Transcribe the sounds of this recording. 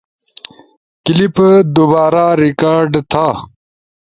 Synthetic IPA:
kilipd̪ubaːɾaɾikaːɾɖt̪ʰa

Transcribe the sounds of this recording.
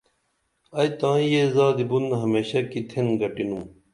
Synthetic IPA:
ɐjt̪ãːĩjezaːd̪ibunɦɐmeːɕɐkit̪ʰenɡɐʈinum

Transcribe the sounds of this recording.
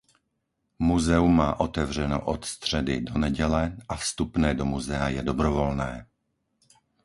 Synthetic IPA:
muzɛumːaːʔot̪ɛvr̝ɛno̰ʔɔt̪st̪r̝̥ɛdɪdonɛɟɛlɛʔafst̪upnɛːdomuzɛajɛdobɾɔvolnɛː

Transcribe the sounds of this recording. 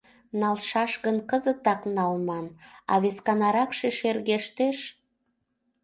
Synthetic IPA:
nɑlʃɑʃɣənkəzət̪ɑknɑlmɑnɑ̰βeskɑnɑɾɑkʃeʃerɣeʃt̪eʃ

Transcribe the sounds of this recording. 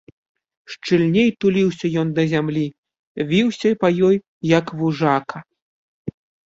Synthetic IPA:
ʂt͡ʂɨlʲnʲejt̪ulʲiwsʲɐjɔnd̪ɐzʲamlʲi | vʲiwsʲɐipɐjɔjː | ɐkvuʐakʰɐ

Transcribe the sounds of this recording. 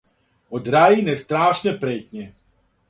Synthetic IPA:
od̪ɾajinɛst̪ɾaːʃnepɾeːt̪ɲɛ

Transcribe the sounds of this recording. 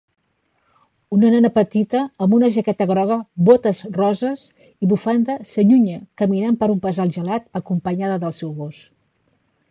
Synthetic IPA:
unənanəpət̪it̪əːmbunəʒəkɛt̪əɣɾɔɣ̞əβot̪əzrɔzəs | iβufand̪əsəʎuɲəkəminampəɾumpəzalˠʒəlat̪əkumpəɲaðəðəlˠsɛwɣos

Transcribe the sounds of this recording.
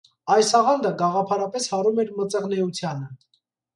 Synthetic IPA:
ɑjsɑʁɑnd̪əɡɑʁɑpʰɑɾɑpɛshɑɾumɛɾmət͡sɛʁnɛut͡sʰjɑnə

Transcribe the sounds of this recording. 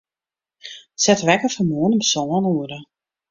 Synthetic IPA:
sɛtʋɛkəfəmuːənəmsɔːənuəɾə

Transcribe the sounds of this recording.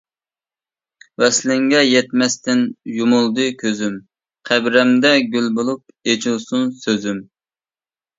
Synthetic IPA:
wɛslɪŋɡʲɛjɛt̪mɛst̪ɪnjumulˠd̪ɨkʲʰøzym | qʰæbɾɛmd̪ɛɡʲylbolˠup̚ | et͡ʃʰilˠsunsøzym

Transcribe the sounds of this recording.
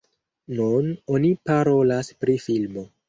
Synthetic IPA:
nuno̞nipaɾo̞laspɾifilmo̞

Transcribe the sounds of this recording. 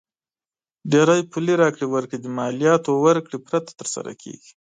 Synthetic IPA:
ɖeɾajpuliɾɑkɽiwaɾkɽid̪əmɑlijɑt̪owaɾkɽipɾat̪ḁt̪əɾsa̰ɾa̰kʰḛɡi̥

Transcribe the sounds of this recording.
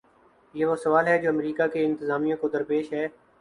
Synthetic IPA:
jeːʋoːsəʋaːlɦɛːd͡ʒoːəmɾiːkaːkeɪ̃nt̪ɪzaːmijõːkod̪əɾpeːʃɦɛː

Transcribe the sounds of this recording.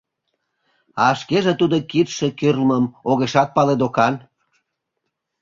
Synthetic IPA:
ɑʃkeʒĕt̪ud̪okit̪ʃĕkyrlməmoɣeʃɑt̪̚pɑled̪okɑn

